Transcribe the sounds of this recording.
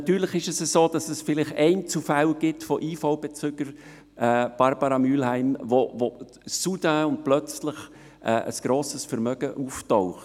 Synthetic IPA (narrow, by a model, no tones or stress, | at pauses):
ɑt̪yːɾləχɪʃɛsəsoːd̥ɑsɛsfɪlɪχɛɪnt͡sufælɡ̥ɪtfɔʔiːfoʊbɛt͡sʏɡ̥əɾ | ʔɛːb̥ɑɾbɑɾɑmyːlhæɪmvovo | sudaʊnt̚plœt͡slɪχ | ʔɛ̰ːə̰sɡ̥ɾoːsəsfəɾmœɡ̥əʔuːftɔʊχ